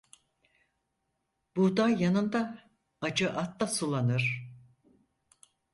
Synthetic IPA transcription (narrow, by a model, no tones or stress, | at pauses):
b̥ud̪ajanɯnd̪a | ad͡ʒɯʔat̪ːasulˠanɯɾ̥